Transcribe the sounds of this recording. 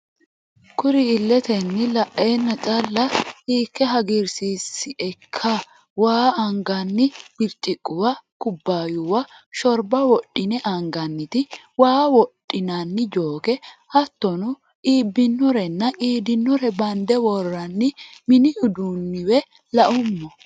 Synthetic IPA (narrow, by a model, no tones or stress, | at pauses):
kʊɾɪːlːɛt̪ɛnːɪlɐʔːenːɐt͡ʃʼɐlːɐiːkːɛɦɐɡɪɾsiːsːɪɛkʰːa | waːɐŋɡɐnːɪb̥ɪɾt͡ʃʼːɪkʼːʊwɐkʊbːaːjʊwɐʃɔɾbɐwɔɗɪnɛʔɐŋɡɐnːɪt̪ɪ | waːwɔɗʼːɪnɐnːɪd͡ʒoːkɛhɐt̪ːɔnʊ | ʔiːbːɪnːɔɾɛnːɐʔiːd̪ɪnːɔɾɛbɐnd̪ɛwɔrːɐnːɪmɪnɪjʊd̪unːɪwɛ | lɐʔʊmːɔ